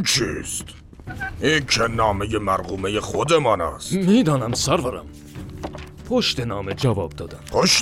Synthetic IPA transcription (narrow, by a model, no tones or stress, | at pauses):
t͡ʃʰist̪ | ʔiːnkʰenɒːmejemæɾɣuːme̞jeχod̪emɒːnæ̰stmiːd̪ɒːnæmsæɾvæɾæ̰m | pʰoʃt̪enɒːmed͡ʒævɒːb̚d̪ɒːd̪æmpʰoʃ